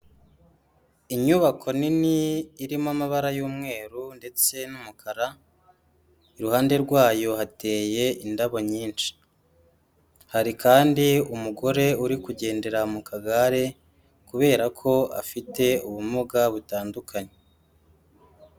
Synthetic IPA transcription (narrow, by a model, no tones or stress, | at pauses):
iɲuβakʰo̞niniːɾimamaβaɾajuːmŋe̞ːɾunde̞t͡se̞numukʰaɾa | iɾuhaːnde̞ɾɡwaːjo̞ɦate̞ːje̞indaβo̞ɲiːnt͡ʃi̥ | haɾikaːndiumuɡo̞ɾe̞uɾikuɟe̞ːnde̞ɾamukʰaɡaɾe̞ | kuβe̞ːɾakʰo̞a̰fite̞uβumuɡaβutaːndukʰaɲe